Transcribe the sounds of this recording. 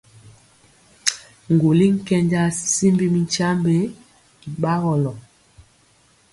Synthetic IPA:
ŋ˨ɡo˨li˦ŋ̩˦kɛ˦ɲd͡ʒa˦si˦mbi˦mi˨nt͡ʃa˦mbe˦ | i˨ɓa˦ɣɔ˨lɔ˨

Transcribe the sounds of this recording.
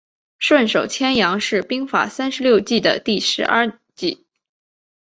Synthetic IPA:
ʂwə˥˩nʂo˨˩ʊt͡ɕʰjɛ˥njɑ˧˥ŋʂɻ̩˥˩pi˥ŋfa̰˨˩sa˥nʂɻ̩˧˥ljo˥˧ʊt͡ɕi˥˩d̪ə̰˩t̪i˥˩ʂɻ̩˧˥ʔɐ̰˞˥˧ | t͡ɕi˥˩

